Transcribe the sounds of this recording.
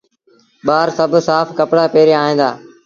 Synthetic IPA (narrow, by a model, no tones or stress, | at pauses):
ɓaːɾsəbʱsaːfkəpɽaːpeːɾeaːɦĩːnd̪a̰ː